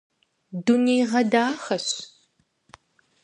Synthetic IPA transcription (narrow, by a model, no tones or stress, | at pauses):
dunejʁɐdaːxɐɕ